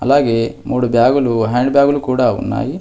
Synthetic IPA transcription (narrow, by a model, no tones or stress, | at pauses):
ɐlaːɡe̞ːmuːɽubjaːɡuluɦaːɳɖbjaːɡulukuːɽaːṵnːa̰ːji